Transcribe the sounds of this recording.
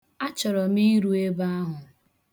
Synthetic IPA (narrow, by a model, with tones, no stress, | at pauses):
a˦t͡ʃɔ˨ɾɔ˨mi˦ɾu˨e˦ba˦a˦ɦʊ˨